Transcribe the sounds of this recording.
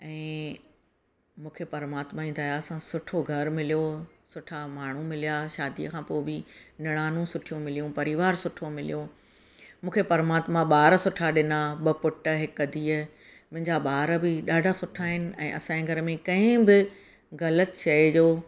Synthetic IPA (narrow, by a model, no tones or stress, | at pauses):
ɛ̃ː | mũːkʰepɐɾmaːt̪maĩnd̪aːjaɐsãsʊʈʰoɡʱɐɾmɪlijosʊʈʰamaːɳ̤umɪlijaʃaːd̪ijəkʰãːpoːɪbinɪɽ̃aːnũsʊʈʰijũmɪlijũpɐɾɪʋaːɾsʊʈʰomɪlḭjo | mũːkʰepɐɾmaːt̪mãɓaːɾsʊʈʰaɗɪnaɓɐpʊʈə̆ɦɪkɐd̪ʱiːə | mʊ̃ɦɪ̃ɲd͡ʑaɓaːɾbɪɗaːɖʱasʊʈʰaːɦɪnɪ̆ɛ̰̃ːʔɐsãeɡʱɐɾmẽkɐ̃ɦɪ̃bɪ | ɣɐlət̪t͡ɕɐed͡ʑoː